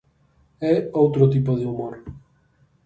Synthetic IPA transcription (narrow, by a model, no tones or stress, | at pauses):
ɛowt̪ɾot̪ipoðeumoɾ